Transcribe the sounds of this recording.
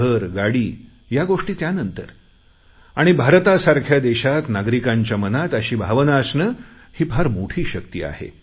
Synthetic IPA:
əɾɡaɽiː | jaɡoʂʈiːt̪janənt̪əɾ | aɽ̃ibʱaɾt̪asaɾkʰjad̪eɕat̪naɡɾikaɲt͡ɕjamənat̪əɕiːbʱaʋənasnəhiːpʰaɾmoʈʰiːɕək̚t̪ḭːa̰hḛ

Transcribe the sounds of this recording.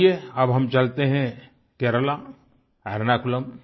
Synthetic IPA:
eɐbɦɐmt͡ʃɐlt̪eɦɛ̃ | keːɾəla | ɛɾnakʊləm

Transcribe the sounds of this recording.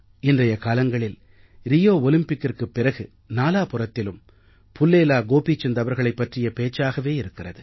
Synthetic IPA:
ɪndrɐjɐkaːlɐŋɡɐɭɪl | ɾɪjoːɔlɪmpɪkːɪrkɯpːɪrɐɣɯ | naːlaːpʊrɐt̪ːɪlɯm | pʊlːeːlaːɡoːpit͡ʃːɛnd̪ɐʋɐɾɣɐɭɐɪpːɐʈrɪjɐpeːt͡ʃːaːɣɐʋeːɪɾɯkːɪrɐðɯ

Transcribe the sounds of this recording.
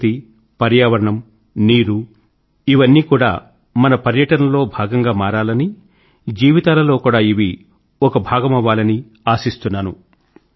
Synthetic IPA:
t̪i | pɐɾjaːʋɐɾɐɳɐm | niːɾu | iʋɐnːiːkuːɽa̰ː | mɐnɐpɐɾjɐʈɐnɐlo̞ːbʱaːɡɐŋɡaːmaːɾaːlɐni | d͡ʒiːʋit̪aːlɐlo̞ːkuːɽaːiʋi | ɔkɐbʱaːɡɐmɐʋaːlɐni | aːsist̪unːaːnu

